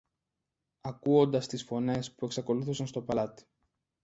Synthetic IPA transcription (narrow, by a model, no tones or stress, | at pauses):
ɐkuo̞nd̪ɐst̪isfo̞ne̞spue̞ksɐko̞luθusɐnst̪o̞pɐlɐt̪i̥